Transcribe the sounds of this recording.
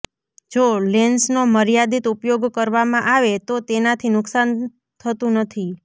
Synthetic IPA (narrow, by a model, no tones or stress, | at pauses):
d͡ʒolensnoməɾjad̪it̪upjoɡkəɾʋamãʔaʋet̪ot̪enat̪ʰinʊksan | t̪ʰət̪ũnət̪ʰi